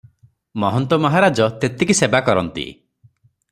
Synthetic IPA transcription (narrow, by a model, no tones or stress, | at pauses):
mɔɦɔnt̪ɔmɔɦaɾad͡ʒɔt̪et̪ekisebakɔɾɔnt̪ḭ